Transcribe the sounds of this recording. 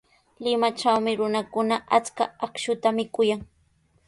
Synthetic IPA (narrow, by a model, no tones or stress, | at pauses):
lɪmat͡ʃawmɪɾʊnakʊnaʔat͡ska̰akʃʊt̪amɪkʊjaŋ